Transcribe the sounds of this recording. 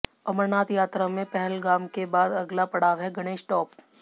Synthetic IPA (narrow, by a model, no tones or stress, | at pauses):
ɐməɾnaːt̪jaːt̪ɾamẽpɛɦɛlɡaːmkebaːd̪ɐɡlapɐɽ̤aːʋɦɛɡɐɽ̃eːʃʈɔːp